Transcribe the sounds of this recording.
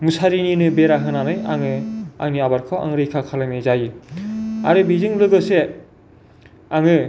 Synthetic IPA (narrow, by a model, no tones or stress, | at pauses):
musaɾininɯbeɾaɦɯnanɯja̰ŋɯa̰ŋniabaɾkʰɯwʔa̰ŋɾɯjkʰakʰalaŋnizaji | a̰ɾɯbizɯŋlɯɡɯse | aŋɯ